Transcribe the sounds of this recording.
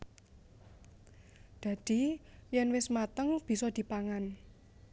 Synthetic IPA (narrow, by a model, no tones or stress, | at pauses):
d̪̥ä̤d̪̥i̤jɛnwɪsmat̪əŋb̥i̤sɔd̪̥i̤paŋan